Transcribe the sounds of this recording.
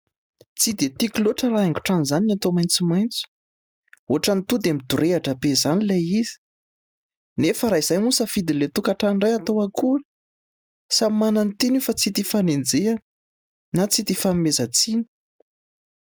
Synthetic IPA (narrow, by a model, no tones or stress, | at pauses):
t͡sid̪et̪ikiloʈ͡ʂəɾaeŋɡu̥ʈ͡ʂanizaninat̪omajnt͡sumajnt͡su̥ | oɦaʈ͡ʂanit̪ud̪eamid̪uɾeaʈ͡ʂəbezanilejiz̥i̥ | nefəɾaiz̥ajmusəfid̪ilet̪ukaʈ͡ʂanɖ͡ʐajat̪oaku̥ | samimanant̪inufat͡sit̪ifanend͡zea | nat͡sit̪ifamimezət͡sini̥